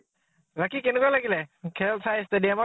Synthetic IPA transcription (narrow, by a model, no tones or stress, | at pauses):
bakikɛnɛkualaɡilɛkʰɛlsʰajstadiama